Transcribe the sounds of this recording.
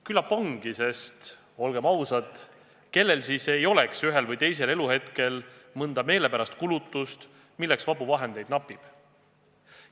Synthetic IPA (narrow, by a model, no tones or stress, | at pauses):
kylɑpɑŋɡ̥ise̞st̪ | o̞lɡ̥e̞mɑwsɑd̪ | ke̞lːe̞lsiːse̞jo̞le̞ksyɦe̞lvɤjt̪e̞js̬e̞le̞luhe̞t̪ke̞lmɤnd̪̥ɑme̞ːle̞pæɾɑst̪kulut̪ːˑust̪ | milːe̞ksvɑbuvɑɦe̞nd̪e̞jd̪nɑpːˑib̥